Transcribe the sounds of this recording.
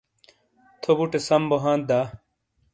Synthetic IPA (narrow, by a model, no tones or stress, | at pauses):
t̪ʰobuʈesɐmboɦãːnt̪̚d̪aː